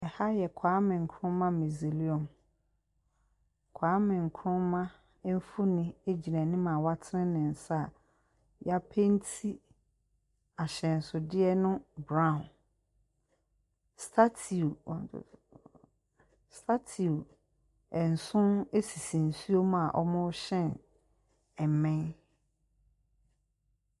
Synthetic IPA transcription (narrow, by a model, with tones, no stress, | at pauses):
ɛ˨ha˦jɛ˨kʰaː˨˦mɪ̃˨ŋ̩˨kʰɾʊ̃˦mã˦mi˨zi˨li˦ɔ̃˨m | kʰaː˨˦mɪ̃˨ŋ̩˨kʰɾʊ̃˦mmã˦ | m̩˦fʊ˦nɪ̃˦e˦d͡ʑi˨ɾã˨nɪ̃˦mã˨wa˦tʰɪ˦ɪ̃˦nɪ̃˨sa˦˨ | ja˦pʰe˦n̩˦tʰi˦ | a˨ɕɛ˨n̩˨sʊ˨dɪ˦ɛ˦nʊ̃˦bɾã˦˨n | stʰa˦tʰḭ˨ | stʰa˦tʰi˨u˨ | ɛ˨n̩˨sʊ̃˦ne˦si˨sĩ˨n̩˨su˦o˦mã˨ʔɔ̰˦mʊ̃˦ɕɛ̃˦˨n | ɛ˨mɛ̃˦n